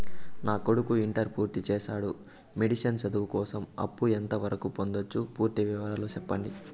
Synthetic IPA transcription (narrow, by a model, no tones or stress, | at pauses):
naːko̞ɽukuiɳʈɐɾpuːɾt̪it͡ʃɛːʃaːɽu | me̞ɽiʂɐnsɐd̪uʋukɔːsɐmɐ̰pːuent̪ɐʋɐɾɐkupo̞nd̪ot͡ʃːupuːɾt̪iʋiʋɐɾaːloːt͡ʃɛpːɐɳɖi